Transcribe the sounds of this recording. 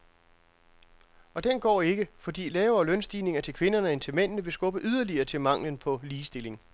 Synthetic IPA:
ɒ̽d̥enɡ̥ɒ̰ːe̝ɡ̥əfɒ̽d̥ḭːlɛːʊɐːlœnsd̥ḭːne̝ŋɐt͡sʰe̝lkʰʋe̝nɐnəent͡sʰe̝lmen̰nəʋe̝sɡ̥ɔ̽b̥əʔyð̞ˠɐliɐːt͡sʰe̝lmɑ̈ŋ̰lənpʰɒ̽liːsd̥e̝le̝ŋ

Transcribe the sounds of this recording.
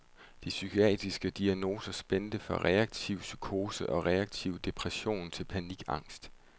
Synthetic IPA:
d̥isykʰo̝ɛ̰ːd̥ʁisɡ̥əd̥iæno̝ːsɐsb̥end̥əfɒʁɛɑ̈ɡ̥̚t͡sʰiʊ̰sykʰo̝ːsəʔɒ̽ʁɛɑ̈ɡ̥t͡sʰiʊ̰d̥e̝pʰʁɛɕo̝̰ːnt͡sʰe̝lpʰæniɡ̥ɑ̈ŋ̰sd̥

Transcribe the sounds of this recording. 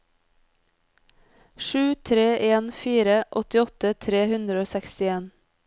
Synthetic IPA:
ʃʉːt̪ʰɾeːʔeːnfiːɾəʔɔt̪ɪɔt̪ət̪ʰɾeːhʉnd̪ɾəoːsɛkst̪ɪeːn

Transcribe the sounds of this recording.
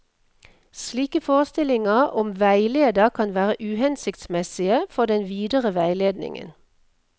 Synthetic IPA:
sliːkəfoːʁəst̪ɪlɪŋɑʁʔɔmʋæɪleːd̪ɑkʰɑnʋæːʁəʔʉːhɛnsɪkt̪smɛsɪəfɔd̪ɛnʋiːd̪əʁəʋæɪleːd̪nɪ̰ŋə̰n

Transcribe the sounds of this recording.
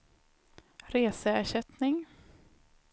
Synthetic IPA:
ɾeːsəæʂɛt̪nɪŋ

